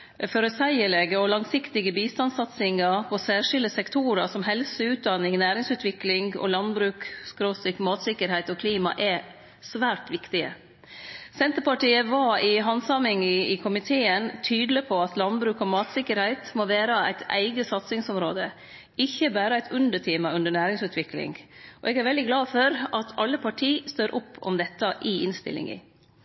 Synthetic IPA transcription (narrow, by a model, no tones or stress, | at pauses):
fɔɾɔsæɪəlɛɡəɔlɑŋsɪkt̪ɪɡəbiːst̪ɑnsɑt̪sɪŋɑɾpʰɔsæːʂɪld̪əsɛkt̪ʰuːɾəsɔmɦɛlsəʉːt̪̚d̪ɑnɪŋnæːɾɪŋsʉːt̪ʋɪklɪŋɡɔ̰lɑnbɾʉːkskɾosɪkmɑːt̪sɪkəɾhæɪt̪ɔkʰliːmɑ̰ʔɛ | sʋæːʈʋɪkt̪ɪə̰ | sɛnt̪əɾpɑʈiːəʋɑɪɦɑnsɑmɪŋɪkʰʊmɪt̪ʰeːənt̪ʰyːd̪l̩əpʰɔɑt̪lɑnbɾʉːkɔmɑːt̪sɪkːəɾhæɪt̪moːʋæːɾəæ̰ɪt̪ʰæ̰ɪɡəsɑt̪sɪŋsɔmɾoːd̪ə | ɪçːəbæːɾəæɪt̪ʰʉnd̪əʈʰɪːmɑʉnd̪əɳæːɾɪŋsʉːt̪ʰʋɪklɪ̰ŋʔɔʔɛːɡæɾʋɛld̪ɪɡlɑːfɔɾɑt̪ʰɑlːəpʰɑʈʰiːst̪øːɾʔʊpʰːɔ̰md̪ɛt̪ːɑʔɪɪnst̪ɪ̰lʔɪ̰ŋə̰